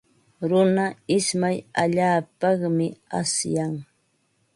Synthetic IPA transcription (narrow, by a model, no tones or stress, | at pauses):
ɾʊnaɪsmajaʎaːpɑχmɪasjaŋ